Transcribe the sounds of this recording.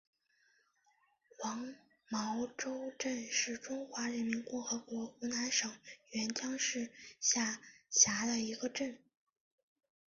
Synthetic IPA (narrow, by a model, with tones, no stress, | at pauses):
wɑ˧˥ŋ | mɑ˧˥ʊʈ͡ʂo˥ʊʈ͡ʂə˥˧nʂɻ̩˥˩ʈ͡ʂʊ˥ŋxwa˧˥ɻə˧˥nmi˧˥nkʊ˥˩ŋxɤ˧˥kwɔ˧˥u˧˥na˧˥nʂɤ˨˩ŋɥɛ˧˥nt͡ɕjɑ˥ŋʂɻ̩˥˧ɕja˥˩ɕja˧˥d̪ə˧i˧˥ɡə˧ʈ͡ʂə˥˩n